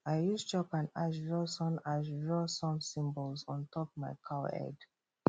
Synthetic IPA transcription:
aɪjust͡ʃɔpãnaʃɹɔsɔ̃naʃɹɔsɔ̃msĩmbəlzɔ̃ntʰɔpmaɪkʰaɛ̰d

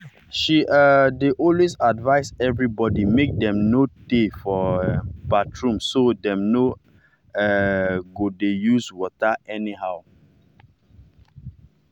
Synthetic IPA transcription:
ʃiʔadeʔɔ̃lwesadvaɪsɛvɹibɔdimek̚dɛ̃mnotefɔbatʰɹũmsodɛ̃mno | ɛɡodejuzwɔtaɛniɦaʊ

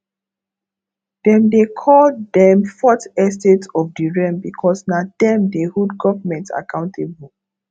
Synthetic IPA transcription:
d̥ɛ̃mdekʰɔldɛ̃mfɔtɛs̬tetɔfdiɹɛ̃mbikʰɔsnad̥ɛ̃mdehudɡɔvmɛ̃nta̰kãʊ̃ntʰebul

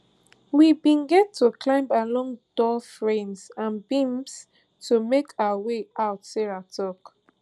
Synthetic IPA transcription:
wibĩnɡɛtʰːukʰlãɪ̃mbalɔ̃ŋd̥ɔlfɹẽnsãnbĩms | tʰumekʰaʊaweaʊtsɛɹatʰɔk

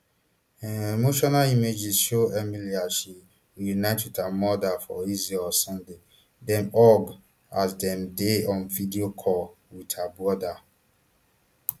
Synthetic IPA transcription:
ɛemoʃɔnalimed͡ʒisʃoɛmiliaʃɛ | wijunaɪtʰwitʰamɔdafɔ̰izɛɔlsɔ̃nde | dɛ̃nɔɡ | asdɛ̃mdeɔ̃nvidiokʰɔwitʰabuɔda

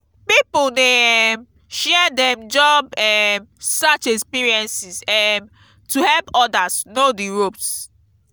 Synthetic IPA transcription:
pipudeɛm | ʃɛdɛ̃md͡ʒɔbɛmsat͡ʃɛkspiɹiɛ̃nsisɛm | tuhɛlpɔdasnodiɹops

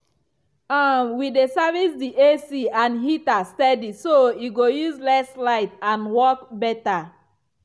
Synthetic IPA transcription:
ãwidesavisdiʔesiãnɦitastɛdisoiɡojuzlɛslaɪtãnwɔk̚bɛta

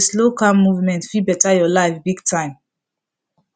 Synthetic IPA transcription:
slokãmmːuvmɛ̃ntfibɛtajɔlaɪfbiɡtʰãɪ̃m

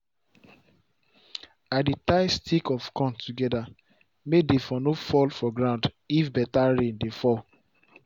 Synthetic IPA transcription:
adetaɪstʰikɔfkʰɔ̃ntuɡɛda | medefɔnofɔlfɔɡɹãʊ̃nd | ifbɛtaɹẽndefɔl

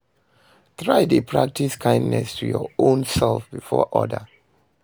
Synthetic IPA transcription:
tɹaɪdepʰɹak̚tʰiskʰãɪ̃ndnɛstʰujɔõnsɛlfbifɔ̰ʔɔdə

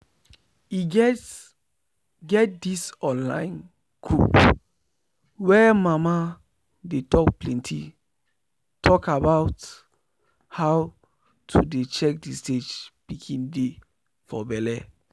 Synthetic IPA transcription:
iɡɛ | ɡɛt̚disɔ̃nlã̰ɪ̃n | kʰup | wɛmama | detɔkplɛ̃ntʰḭ | tʰɔkabaʊt | haw | tʰudet͡ʃɛk̚disted͡ʒpikʰĩnde | fɔbɛlɛ

